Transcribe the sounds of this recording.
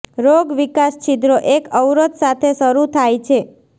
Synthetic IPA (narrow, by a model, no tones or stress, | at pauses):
ɾoɡʋikast͡ʃʰid̪ɾoʔekəwɾət̪sat̪ʰesəɾut̪ʰajt͡ʃʰe